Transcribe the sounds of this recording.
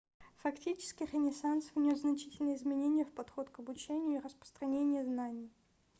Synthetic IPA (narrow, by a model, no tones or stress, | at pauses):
fɐktʲit͡ɕɪ̥skʲɪrʲɪnʲɪsansvnʲos̬znɐt͡ɕi̥tʲɪlʲnəjəɪzmʲɪnʲenʲɪjəfpɐt̪xo̞t̪kəbʊt͡ɕenʲɪjʊirəspɾə̥st̪ɾɐnʲenʲɪjəznanʲɪj